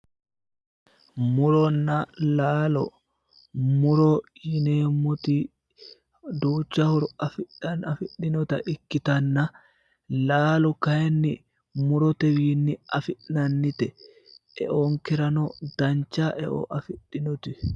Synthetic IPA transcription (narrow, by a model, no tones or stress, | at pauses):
mʊɾɔnːalaːlɔ̰ | mʊɾɔjɪneːmʊt̪i | d̪uːt͡ʃːahɔɾɔɐfɪfɪɗːɪnɔt̪ɐʔɪkːɪt̪ɐnːɐ | laːlɔkɐjɛnːɪ | mʊɾɔt̪ɛwiːnːɪɐfɪʔnɐnːɪt̪ɛ | ɛ̰ʔoːŋkɛɾɐnɔd̪ɐnt͡ʃːaːʔɛ̰ʔo̰ʔɐfɪɗːɪnʊt̪ɪ